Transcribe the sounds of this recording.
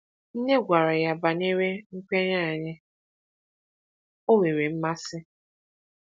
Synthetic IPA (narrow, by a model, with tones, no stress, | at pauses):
n̩˦ne˦ɡʷa˨ɾa˨ja˦ba˨ne˦ɾe˦ŋ̩˦kʷe˦ɲa˦a˨ɲɪ˦ | o˦we˨ɾe˨m̩˦ma˦sɪ˦